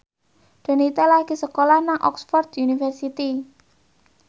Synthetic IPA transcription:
d̪̥ə̤nit̪ɛlaɡ̥i̤səkolahnaŋʔɔ̰ksfɔrd̪unifərsit̪i

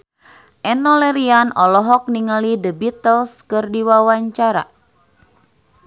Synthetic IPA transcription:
ʔɛnɔlɛɾianɔlɔɦɔk̚niŋalidəbit̪əlskɨrdiwawaɲt͡ʃaɾa̰

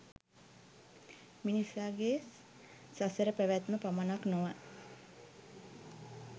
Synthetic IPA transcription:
minisaːɡe | sasəɾəpæʋæt̪məpamanaknoʋa

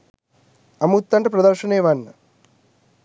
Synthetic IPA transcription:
ɐmut̪ːɐɳʈɐpɾɐd̪ɐɾʂɐneːʋɐnːɐ

